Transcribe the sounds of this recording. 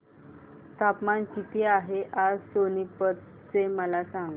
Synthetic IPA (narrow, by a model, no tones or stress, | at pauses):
t̪apmankit̪iaɦeʔad͡zsonipət̪̚ | t͡seməlasãŋɡ